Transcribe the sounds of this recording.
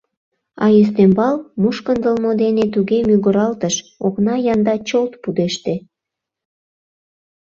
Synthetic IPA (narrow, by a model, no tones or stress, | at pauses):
ɑ̰jes̬t̪embɑlmuʃkənd̪ə̆lmod̪enet̪uɣemyɣəɾɑlt̪əʃoknɑjɑnd̪ɑt͡ɕolt̪pud̪eʃt̪e